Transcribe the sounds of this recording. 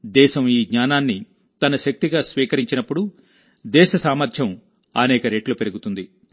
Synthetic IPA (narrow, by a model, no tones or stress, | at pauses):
d̪ɛːʃɐmiːɡɲaːnaːnːi | t̪ɐnɐʃɐk̚t̪iɡaːsʋiːkɐɾiɲt͡ʃinɐpːuɽu | d̪ɛːʃɐsaːmɐɾd̪jɐm | ɐ̰nɛːkɐɾe̞ːʈloːpeɾuɡut̪und̪i